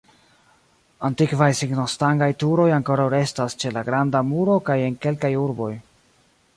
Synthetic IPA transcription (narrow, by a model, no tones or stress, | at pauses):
antikvajsiɡnostaŋɡajtuɾo̞jaŋko̞ɾawɾe̞stast͡ʃe̞laɡɾandamuɾo̞kaje̞nke̞lkajuɾbo̞j